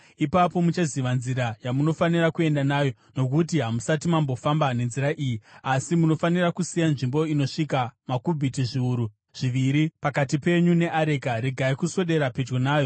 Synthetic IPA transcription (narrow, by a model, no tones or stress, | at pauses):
ipapo̞mut͡ʃaziʋanziɾajamuno̞fanirakue̞ndanaːjo̞ | no̞kut̬iɦamusatimambo̞fambane̞nziɾaʔiːjiasimuno̞fanirakusijanʐimbo̞ino̞ʂikamakubʱitiʐiuɾu | ʐ̥iʋiɾipakatipe̞ɲune̞ʔaɾe̞kaɾeɡʱaikuso̞ɗe̞ɾaped͡ʒɡonaːjo